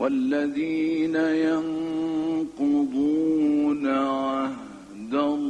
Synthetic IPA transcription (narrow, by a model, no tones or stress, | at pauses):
walːaðiːnajan | qʊd̪ˤuːnaʕah | d̪a